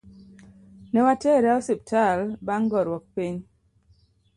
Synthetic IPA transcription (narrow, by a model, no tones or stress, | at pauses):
nɛwatɛɾɛɔsip̚talbaŋɡɔɾwɔk̚piɲ